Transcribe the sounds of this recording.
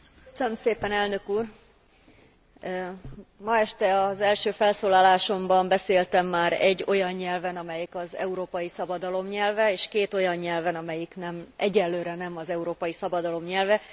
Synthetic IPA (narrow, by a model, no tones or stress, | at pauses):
ksønømseːpɛnɛlnø̞kuːr | mɒɛʃt̪ɛɒzɛlʃøːfɛlsoːlaːlaːʃo̞mbɒmbɛseːlt̪ɛmːaːɾɛɟːo̞jɒɲːɛlvɛnɒmɛjikɒzɛ̰uɾoːpɒjisɒbɒd̪ɒlo̞mɲɛlvɛeːʃkeːt̪o̞jɒɲɲɛlvɛnɒmɛjiknɛmʔɛɟɛlːøːɾɛnɛmɒzɛuɾoːpɒjisɒbɒd̪ɒlo̞mɲɛlvɛ